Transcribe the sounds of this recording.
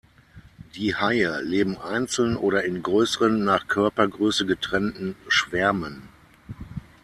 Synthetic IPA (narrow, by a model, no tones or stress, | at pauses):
d̥iːhaɪəleːbm̩ʔaɪnt͡sl̩nʔoːɾɐɪnɡʁøːsəʁənːaːχkʰœɐpɐɡʁøːsəɡətʁ̥ɛntn̩ʃv̥ɛɐmən